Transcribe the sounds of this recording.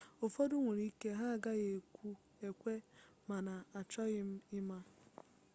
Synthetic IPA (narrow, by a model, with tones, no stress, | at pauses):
ʊ˨fɔ˦dʊ˦ŋʷe˨ɾi˦ke˦ɦa˦˨ɡa˦ɣe˨kʷu˦ | e˨kʷe˦ma˨na˨a˨t͡ʃɔ˦ɣɪ˦m̩˦ɪ˦ma˦